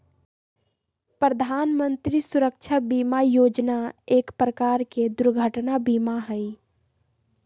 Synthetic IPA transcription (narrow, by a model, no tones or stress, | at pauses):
pɾəd̪ʱanmənt̪ɾisuɾək̚t͡ʃʰabimajod͡ʒnaekpɾəkaɾked̪uɾɡʱəʈnabimaɦəj